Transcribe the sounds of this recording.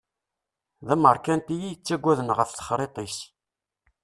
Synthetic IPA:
ðæməɾˤkænt̪ijit͡sːæɡʷːæðənʁəfθə̥χɾˤet̪ˤis

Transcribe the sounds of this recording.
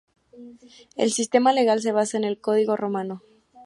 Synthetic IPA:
e̞̰lsist̪e̞male̞ɣals̬e̞β̞asaene̞lko̞ðiɣo̞ro̞mãno̞

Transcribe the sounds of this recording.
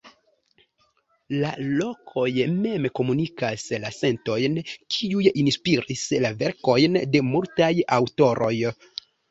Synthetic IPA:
lalo̞kʰo̞jme̞mko̞munikaslase̞nto̞jnkʰiujinspiɾislave̞ɾko̞jnde̞multajawto̞ɾʔo̞j

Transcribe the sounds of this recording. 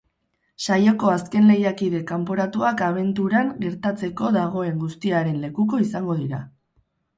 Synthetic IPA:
sajo̞ko̞aske̞nle̞jakiðe̞kampo̞ɾat̪uakaβ̞e̞nt̪uɾaŋɡe̞ɾt̪at͡se̞ko̞ðaɣ̞o̞e̞ŋɡust̪iaɾe̞nle̞kuko̞isaŋɡo̞ðiɾa

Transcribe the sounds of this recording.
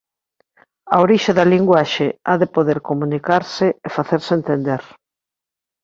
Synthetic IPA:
ɐoɾiʃaðɐliŋɡwaʃeaðɪpoðeɾkomũnikaɾsɪefaθeɾsent̪end̪eɾ

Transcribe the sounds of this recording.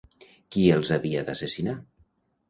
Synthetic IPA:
kielˠzaβiad̪asesina

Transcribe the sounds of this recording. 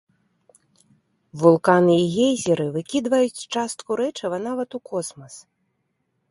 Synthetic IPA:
vulˠkanɨiɣʲejzʲɛɾɨvɨkʲid̪vɐjut͡sʲt͡ʂast̪kuɾɛt͡ʂɐvɐnavɐt̪ukɔsmɐs

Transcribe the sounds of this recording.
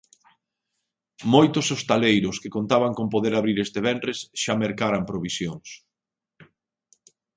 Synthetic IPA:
mojt̪ʊsost̪alejɾʊskɪkont̪aβaŋkompoðeɾaβɾiɾest̪eβɛndɾesʃameɾkaɾampɾoβisjoŋs

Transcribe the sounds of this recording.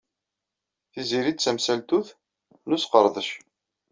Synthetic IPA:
θiziɾid̪̚t͡sːæmsælt̪uθ | nusqəɾˤðˤəʃ

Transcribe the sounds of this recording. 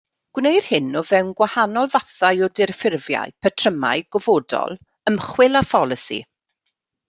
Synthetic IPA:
ɡ̥wnejr̥hɪnɔvɛwnɡwahanɔlˠvaθajɔdɪrfɪrvja̰ɨpʰətʰrəma̰ɨjɡɔvoːdɔ̰lˠ | əmχwɪlˠafɔlˠəsḭ

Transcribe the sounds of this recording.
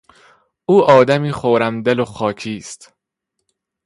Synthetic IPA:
ʔuːʔɒːd̪æmiːχoɾæmd̪eloxɒːcʰiːst̪

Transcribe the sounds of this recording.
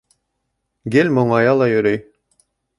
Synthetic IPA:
ɡelʲmoɴɑjɑlˠɑjɵ̆ɾøj

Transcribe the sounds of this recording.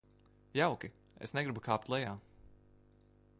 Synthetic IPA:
jawkʲi | esnɛɡɾibukʰaːp̚t̪lˠɛjaː

